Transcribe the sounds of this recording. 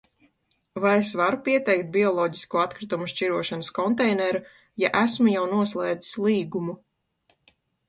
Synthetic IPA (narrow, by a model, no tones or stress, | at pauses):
vajesvaɾupiɛt̪ɛjk̚t̪̚bʲiɔlˠɔːɟiskuat̪kɾit̪umuʃt͡ʃiɾuɔʃanəskɔnt̪ɛjnɛɾu | jaʔæsmujawnuɔslˠɛːd̪zi̥slˠiːɡumu